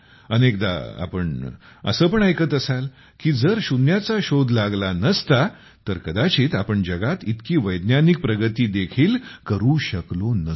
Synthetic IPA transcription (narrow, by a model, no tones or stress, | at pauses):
ənek̚d̪a̰a̰pəɳə̰səːpəɳajkət̪əsal | kiːd͡zəɾɕunjat͡saɕod̪ʱlaɡlanəst̪a | t̪əɾkəd̪at͡ɕiːt̪apəɳd͡ʑəɡat̪it̪kiːʋəjd̪njanik̚pɾəɡət̪iːd̪ekʰiːlkəɾuːɕəklonə